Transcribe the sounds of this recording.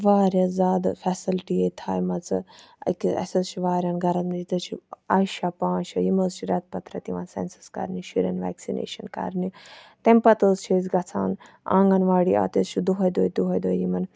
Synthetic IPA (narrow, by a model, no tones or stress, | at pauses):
ʋaːɾʲɐzaːd̪fʰɛːsɐlʈiet̪ʰaːjmɐt͡sɨ | ɐ̰kiɐ̰sɐzt͡ʃʰiʋaːɾʲjɐːnɡʱɐɾɐit̪ɐt͡ʃʰiaːʃapãːʃɐjimɐzt͡ʃʰiɾɐt̪̚pɐt̪ɾɐt̪iʋaːnsḛnsɐ̥skɐ̰ɾniʃiɾʲɐnʋɛ̰ːksinḛːʃɐnkɐ̰ɾnit̪emʲpɐt̪əːzt͡ʃʰiːzɡɐt͡sʰaːn | ã̰ːŋɡɐnʋaːɽia̰ːt̪ist͡ʃʰud̪uɦɐjd̪oːjd̪uɦɐjd̪oːjjimɐn